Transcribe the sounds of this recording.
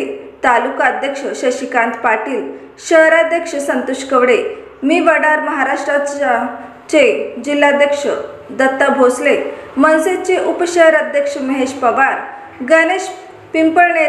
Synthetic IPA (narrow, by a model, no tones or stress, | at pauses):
t̪alukad̪ʱjəkʂəɕəɕikãnt̪paʈiːl | ɕəɦɾad̪jəkʂəsənt̪uʂkəʋɽe | miːʋəɽaɾməɦaɾaʂʈɾa | t͡ɕed͡ʑilːad̪jəkʂə | d̪ət̪ːabʱoslemənset͡ɕeʔupɕəɦɾad̪ʱjəkʂəməɦeɕpəʋaɾ | ɡəneɕ | pimpəɾɳe